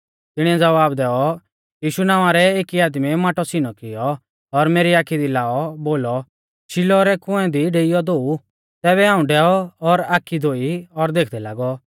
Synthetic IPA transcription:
t̪ɪɽ̃ĩɛd͡zɐʋaːbd̪ɛːɔ | jiːʃunãːʋaɾɛeːkiaːd̪mimaːʈɔsinɔkɪjɔ | ɔɾmeːɾiaːkʰid̪ilaːɔboːlɔ | ʃilɔɾɛkʊ̃ɛ̃d̪iɖeːɪjɔd̪oːu | t̪ɛːβɛɦãːũɖɛːɔɔɾaːkʰːid̪ʱoːiɔɾd̪eːkʰd̪ɛla̰ːɡɔ

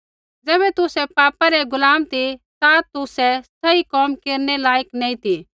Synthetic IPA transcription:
d͡zɛːbɛt̪ʊsɛpaːpaɾɛɡʊlaːmt̪it̪at̪ʊsɛsɐikɔːmkeːɾnɛlaːjəknɛːĩt̪i

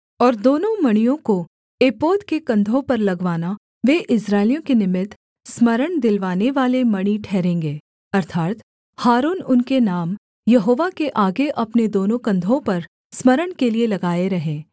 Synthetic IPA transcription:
ɔːɾd̪oːnõmɐɽ̃ijõko | eːpoːd̪kekɐ̃nd̪ʱõpɐɾlɐɡʋaːna | ʋeːʔɪsɾaːɪlijõkenɪmɪt̪ | smɐɾəɳ̃d̪ɪlʋaːneʋaːlemɐɽ̃iʈʰɛːɾẽːŋɡeː | ɐɾt̪ʰaːt̪ | haːɾuːnʊnkenaːm | jɐɦoːʋakeʔaːɡeʔɐpned̪oːnõkɐ̃nd̪ʱõpɐɾ | smɐɾəɽ̃kelielɐɡaːeɾɐɦẽː

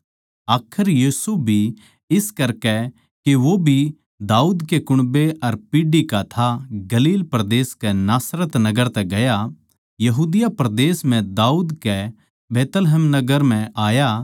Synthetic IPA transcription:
aːkʰəɾjiːsubʱi | ɪskɐɾkɛ | keʋobʱi | d̪aːuːd̪kekʊɽ̃beʔɐɾpiːɖikat̪ʰaɡɐliːlpɾɐd̪eːskɛnaːsɾət̪nɐɡəɾt̪ɛɡɐja | jɐɦuːd̪ɪjapɾɐd̪eːsm̤ɛ̃d̪aːuːd̪kɛ | beːt̪lɦɛmnɐɡəɾm̤ɛ̃aːja

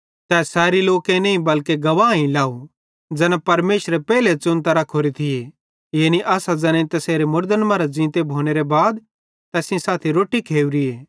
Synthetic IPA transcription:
t̪ɛːsɛːɾiloːkẽnẽĩbɐlkeɡɐʋaːĩlaːu | d͡zɛːnapɐɾmeːʃɾepɛːlet͡sʊ̃nt̪aɾakʰoːɾit̪ʰɪe | jeːniʔaːsad͡zɛ̃ːnẽit̪ɐseːɾemʊɾd̪ənmɐɾad͡zĩːt̪ebʱoːñeɾebaːd̪ | t̪ɛːsĩsaːt̪ʰiɾoːʈikʰeːuɾieː

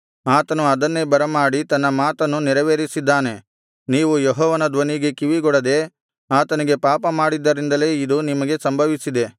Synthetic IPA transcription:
aːt̪ɐnuɐd̪ɐnːebɐɾɐmaːɽit̪ɐnːɐmaːt̪ɐnːuniɾɐʋeːɾisid̪ːaːne̞ | niːʋujɔɦɔːʋɐnɐd̪ʋɐniɡe̞kiʋiɡɔɽɐd̪e̞ | aːt̪ɐniɡe̞paːpɐmaːɽid̪ːɐɾind̪ɐle̞ːid̪unimɐɡe̞sɐmbʱɐʋisid̪e̞

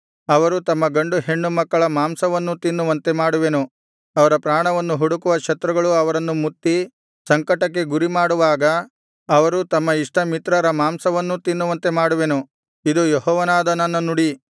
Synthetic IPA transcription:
ɐʋɐɾut̪ɐmːɐɡɐɳɖuɦe̞ɳːumɐkːɐɭɐmaːmsɐʋɐnːut̪inːuʋɐnt̪e̞maːɽuʋe̞nu | ɐʋɐɾɐpɾaːɳɐʋɐnːuɦuɽukuʋɐkʃɐt̪ɾɐɡɐɭuɐʋɐɾɐnːumut̪ːi | sɐŋkɐʈɐkːe̞ɡuɾimaːɽuʋaːɡɐː | ʋɐɾut̪ɐmːɐiʂʈɐmit̪ɾɐɾɐmaːmsɐʋɐnːut̪inːuʋɐnt̪e̞maːɽuʋenu | id̪ujeɦɔːʋɐnaːd̪ɐnɐnːɐnuɽi

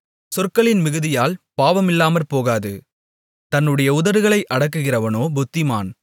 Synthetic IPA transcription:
sɔrkɐɭɪnmɪɣɯðɪjaːlpaːʋɐmɪlːaːmɐɾpoːɣaːðɯ̰ | t̪ɐnːɯɽɐjɐʊðɐɾɯɣɐɭɐɪʔɐɽɐk̬ːɯɣɪrɐʋɐnoːbʊt̪ːɪma̰ːn

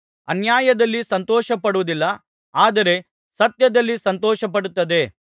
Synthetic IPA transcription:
ɐnjaːjɐd̪ɐlːisɐnt̪ɔːʃɐpɐɽuʋud̪ilːɐ | aːd̪ɐɾe̞ | sɐt̪jɐd̪ɐlːisɐnt̪ɔːʃɐp̬ɐɽut̪ːɐd̪e̞

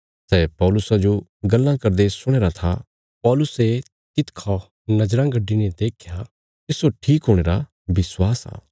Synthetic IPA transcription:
sɛːpɔːlʊsad͡ʒoɡɐlːãkɐɾd̪esʊɽ̃eːɾat̪ʰa | pɔːlʊse | t̪ɪt̪kʰɔ | nɐd͡ʒɾãɡɐɖːined̪eːkʰja | t̪ɪsoʈʰiːkɦoːɽ̃eːɾa | bɪswaːsa̰ː

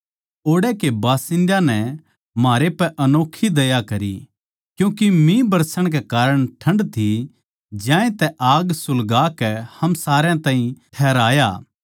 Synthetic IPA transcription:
oːɽɛkebaːsɪ̃nd̪jãnɛ | maːɾepɛʔɐnoːkʰːid̪ɐjakɐɾḭ | kjũːkimĩbɐɾsəɽ̃k̬ekaːɾəɽ̃ʈʰɐ̃ɳɖt̪ʰi | d͡ʒjãːẽt̪ɛʔaːɡsʊlɡaːkɛhɐmsaːɾjãt̪ãːɦĩʈʰɛːɾaːjaː

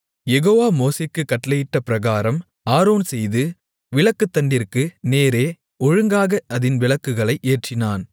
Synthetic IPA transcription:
jɛɣoːʋaːmoːsekːɯkːɐʈlɐjɪʈːɐpɪɾɐɣaːɾɐm | aːɾoːnsɛjðɯ | ʋɪɭɐkːɯt̪ːɐɳɖɪrkɯneːɾeː | ɔɻɯŋɡaːɣɐɐðɪnʋɪɭɐkːɯɣɐɭɐɪʔeːʈt͡ʃɪnaːn

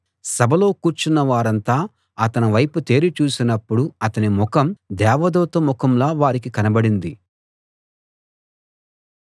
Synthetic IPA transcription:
sɐbʱɐlo̞ːkuːɾt͡ʃunːɐʋaːɾɐnt̪aː | ɐt̪ɐnɐʋɐjput̪e̞ːɾit͡ʃuːsinɐpːuɽuɐt̪ɐnimɔkɐmd̪ɛːʋɐd̪ɔːt̪ɐmɔkɐmlaːʋaːɾikikɐnɐbɐɽind̪i

